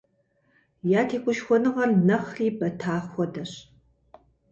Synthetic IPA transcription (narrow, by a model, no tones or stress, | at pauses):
jaːtʰeːkʷʼʊʃxʷɔnɨʁɐrnɐχriːbɐtʰaːxʷɔdɐɕ